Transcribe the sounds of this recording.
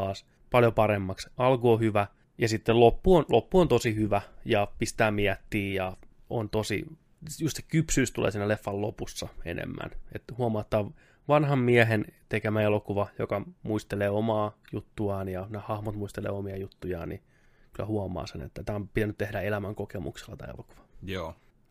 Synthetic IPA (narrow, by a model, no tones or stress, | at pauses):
ɑːs | pɑljopɑɾemːɑksɑlkoːhyʋæ | jɑsit̪ːelopːuonlʔopːuont̪osihyʋæjɑpist̪æːmiæt̪ːiːjɑ | o̰nt̪osḭ | just̪se̥kypsyːst̪ulḛːsiːnælefːɑllopusːɑḛnḛmːæ̰net̪huɑmɑːt̪ːɑːʋ | ʋɑnɦɑmmiæɦent̪ekemæelokuʋɑjokɑmuist̪eleːomɑːjut̪ːuɑːnjɑnehɑhmot̪muist̪elḛːomiɑjut̪ːujɑ̰ːni | kylːˑæ̰huɑmˑɑ̰ːsenḛt̪ːæt̪æːompit̪ænyt̪t̪ehdæelæmæŋkokemṵkse̥lːɑt̪ɑ̰ːḛloku̥ʋɑ̥joː